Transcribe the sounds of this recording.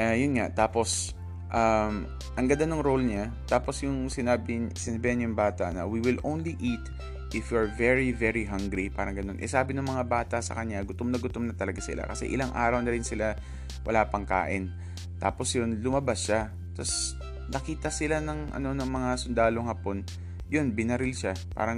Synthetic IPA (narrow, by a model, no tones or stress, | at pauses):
ʔajʊnŋaʔt̪aːpo̞s | ʔam | ʔɐŋɡɐnd̪anʊŋɾolɲa | t̪aːposjʊŋsɪnaːbɪsɪnɐbihanjʊŋbaːt̪ɐ̰ʔnɐwiwɪlʔownliʔit̪ | ʔɪfjuɐɹvɛɹivɛɹiɦaŋɡɾipaːɾɐŋɡɐno̞nʔɛ̰saːbɪnɐŋmɐŋabaːt̪ɐʔsɐ̰kɐɲɲaɡʊt̪omnɐɡʊt̪omnɐt̪ɐlɐɡasɪ̰la̰kɐsɛ̰ʔɪ̰laŋʔa̰ːɾɐwnɐɾɪnsɪla | wʔɐ̰laːpɐŋka̰ːʔɪn | t̪a̰ːpo̞sjonlʊmɐbasʃa | t̪ɐs | nɐkiːt̪ɐsɪlanɐŋʔɐ̰no̞nɐŋmɐŋasʊnd̪aːloŋhapo̞n | jo̞nbɪnɐɾɪlʃapa̰ːɾɐŋ